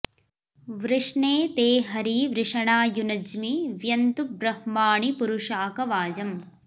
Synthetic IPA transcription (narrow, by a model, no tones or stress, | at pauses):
ʋɾɪʂɳeːt̪eːɦɐɾiʋɾɪʂɐɳaːjunɐd͡ʒmiʋjɐnt̪ubɾɐhmaːɳipuɾuʂaːkɐʋaːd͡ʒɐm